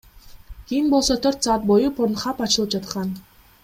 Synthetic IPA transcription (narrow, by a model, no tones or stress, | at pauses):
ɡ̥inpɔsɔt̪ʰœr̥ʲt̪t͡sat̪̚pɔjŭpʰʊrn̆χapat͡ɕɪ̆lˠəp̚t͡ɕat̪ə̆χɢaːn